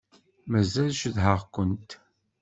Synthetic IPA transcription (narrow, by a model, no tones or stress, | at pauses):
mæzælʃəðɦəʁkʷənt̪